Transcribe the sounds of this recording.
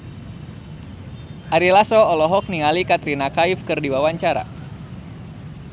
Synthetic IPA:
ʔaɾilasɔːlɔɦɔk̚niŋalikat̪ɾinakaifkɨrdiwawaɲt͡ʃaɾa̰

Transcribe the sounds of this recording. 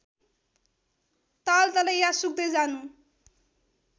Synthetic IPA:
t̪alt̪ʌlʌjjasuk̚d̪ʌjd͡zanu

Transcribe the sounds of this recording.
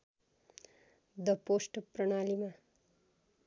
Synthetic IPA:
d̪ʌposʈprʌɳ̃alima

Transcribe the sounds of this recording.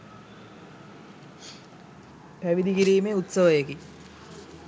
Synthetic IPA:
pæʋid̪ikiɾiːmeːut̪səʋəjeki

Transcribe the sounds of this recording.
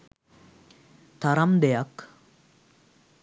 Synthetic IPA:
t̪aɾamd̪ejak

